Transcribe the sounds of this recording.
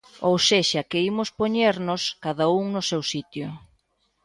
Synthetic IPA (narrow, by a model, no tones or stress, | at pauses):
owseʃɐkeimʊspoɲeɾnʊskaðauŋnʊsewsit̪jʊ